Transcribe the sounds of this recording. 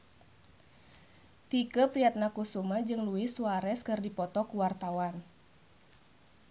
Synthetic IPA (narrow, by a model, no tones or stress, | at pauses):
t̪ikəpɾiat̪̚nakusumad͡ʒɨŋluɪsuaɾɛskɨrdipɔt̪ɔkuwart̪awan